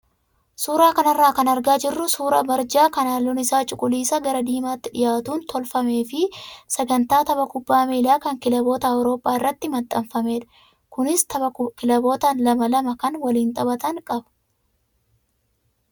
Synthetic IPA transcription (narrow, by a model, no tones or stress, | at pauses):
suːɾaːkɐnɐrːaːkɐnɐɾɡaːd͡ʒɪrːʊsuːɾɐ̰bɐɾd͡ʒaːkɐnaːlʊnɪsaːt͡ʃʼʊkʼʊliːsɐɡɐɾɐd̪iːmaːt̪ːɪᶑɪjaːt̪uːnt̪ʰɔlfɐme̞ːfɪsɛɡɐnt̪aːt̪ɐbɐkʊbːaːmeːlaːkɐŋkɪlɐbo̞ːt̪ɐːwɾo̞ːpʼːaːɪrːɐt̪ːɪmɐt̪ʼːɐmfɐme̞ːᶑɐ̥ | kʊnɪst̪ɐbɐkɪlɐbo̞ːt̪ɐnlɐmɐlɐmɐkɐnwɐliːnt̪ʼɐbɐt̪ɐŋkʼɐbɐ̥